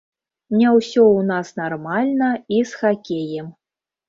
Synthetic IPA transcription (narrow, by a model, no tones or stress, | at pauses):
mnʲɛwsʲɔunɑsnarmalʲnɐisxakʲejəm